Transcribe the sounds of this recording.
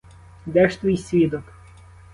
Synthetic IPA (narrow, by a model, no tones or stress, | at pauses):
d̪ɛʃt̪ʋʲijsʲʋʲid̪ɔk